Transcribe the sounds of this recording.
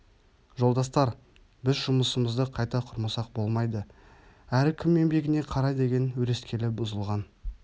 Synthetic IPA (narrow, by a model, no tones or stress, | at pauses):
ʒo̞lˠd̪ɑst̪ɑɾ | bɪzʒʊməsəməzd̪əqʰɑjt̪ɑqʰʊɾməsɑq̚bo̞lˠmɑjd̪ə | æɾɪkʲʰɪmːe̞mbe̞ɡʲɪne̞qʰɑɾɑjd̪e̞ɡʲe̞nwɵɾe̞skʲe̞lɪbʊzəlˠʁɑn